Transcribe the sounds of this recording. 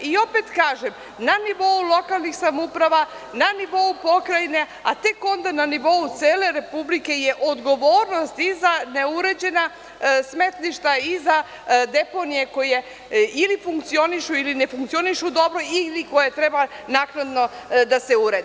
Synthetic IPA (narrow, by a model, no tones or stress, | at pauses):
io̞pe̞t̪kaːʒem | naniʋo̞ulo̞kalˠnixsamupɾaʋa | naniʋo̞upo̞kɾaine̞ | a̰t̪e̞ko̞nd̪ananiʋo̞ut̪seːle̞ɾe̞publike̞jeʔod̪ɡo̞ʋo̞ːɾno̞st̪izaneuɾe̞d͡ʑe̞na | sme̞t̪liʃt̪aiza | d̪e̞po̞nije̞ko̞je̞ | ilifuŋk̚t̪sio̞niʃuiline̞fuŋkt̪sio̞niʃud̪o̞bɾo̞iliko̞jet̪ɾebanaːknad̪no̞d̪aseuɾed̪